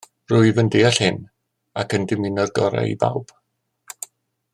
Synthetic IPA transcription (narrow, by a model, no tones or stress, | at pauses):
rʊɨvəndejaɬhɪn | akəndɪmɪnɔrɡɔɾa̰ḭba̰wb̥